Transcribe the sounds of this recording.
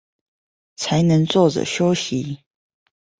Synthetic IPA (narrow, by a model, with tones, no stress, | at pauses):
t͡sʰa˨˦ɪnə˧˦ŋt͡swɔ˥˨ʈ͡ʂə̰˨˩ɕjo˦ʊɕi˨˦